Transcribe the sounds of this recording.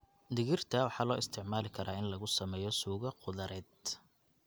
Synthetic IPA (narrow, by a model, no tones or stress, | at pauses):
d̪ɪɣɪrt̪ʰɐwɑħɑːlɔːɪst̪ʰɪʕmaːlɪkʰɐɾʔaːɪnlɐɣʊsɐmɛːjɔsuːɣɐqʊðɐɾʔɛːd̪̚